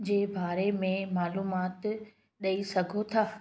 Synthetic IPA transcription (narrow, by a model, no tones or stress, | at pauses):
d͡ʑeːbaːɾemẽmaːluːmaːt̪ | ɗɐisɐɡʱot̪ʰaː